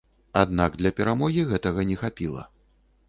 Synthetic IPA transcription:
ad̪naɡ̚d̪lʲɐpʲɛɾamɔɣʲiɣɛt̪ɐɣɐnʲɛxapʲilˠɐ̰

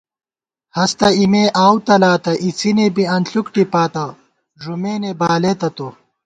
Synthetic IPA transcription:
hɐst̪ɐimeːʔaːwt̪ɐlaːt̪ɐʔit͡sʰinebiɐnɬukʈipaːt̪ɐ | ʐumeːnebaːleːt̪ɐt̪o

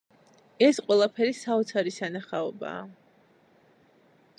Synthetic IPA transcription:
ɛsqʼwɛlˠapʰɛɾisaɔt̪sʰaɾisanaχaɔba̰ː

